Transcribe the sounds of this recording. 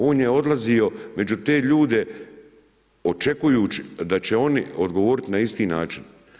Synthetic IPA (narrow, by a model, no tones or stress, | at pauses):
oːnjeo̞d̪lazio̞me̞d͡ʒut̪e̞ːʎuːd̪e̞ | o̞t͡ʃe̞kujuːt͡ʃid̪at͡ɕe̞o̞niod̪ɡo̞ʋo̞ːɾit̪inaist̪iːnaːt͡ʃin